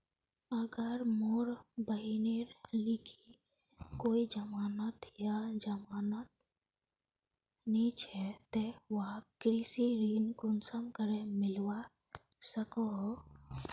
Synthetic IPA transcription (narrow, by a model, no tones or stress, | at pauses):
əɡəɾmoːɾbəɦineɾlikʰi | koːid͡ʒəmaːnət̪jad͡ʒəmaːnət̪ | nit͡ʃʰɛt̪eʋəɦkɾisiɾiːnkʊnsəmkəɾemɪlwa | səkoɦo